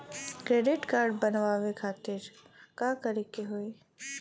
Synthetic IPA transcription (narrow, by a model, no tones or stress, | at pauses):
kɾeːɖɪʈkaːɾɖbənʋaːʋekʰaːt̪ɪɾ | kakɐɾekeɦoːe